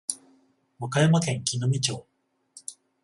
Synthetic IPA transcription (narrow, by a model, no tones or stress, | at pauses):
mokajamakẽ̞ŋkʲinomʲit͡ɕoː